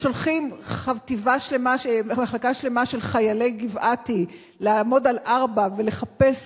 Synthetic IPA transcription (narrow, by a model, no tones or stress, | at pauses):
ʃo̞lχimχativaʃle̞maʃmaχlakaʃle̞maʃe̞lχajale̞jɡivʔati | leamo̞dalʔaʁbave̞le̞χape̞s